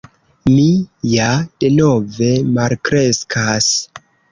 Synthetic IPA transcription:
mijad̥e̞no̞ve̞malkɾe̞skʰas

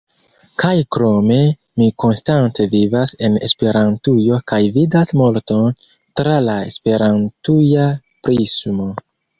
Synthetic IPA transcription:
kajkɾo̞me̞ | miko̞nstante̞vivase̞ne̞̰spe̞ɾantujokajvidasmo̞lto̞n | tɾalae̞̰spe̞ɾantuja | pɾisumo

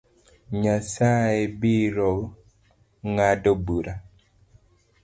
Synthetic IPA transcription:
ɲasaebiɾɔ | ŋadɔbuɾa

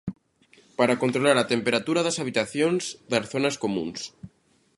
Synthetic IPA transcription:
paɾakont̪ɾolaɾat̪empeɾat̪uɾaðasaβ̞it̪aθjonzðasθonaskomṵ̃ns

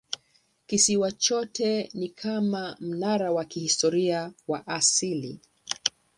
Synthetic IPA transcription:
kisiwat͡ʃɔtʰɛnikʰamam̩naɾawakihistɔɾiawaʔasilḭ

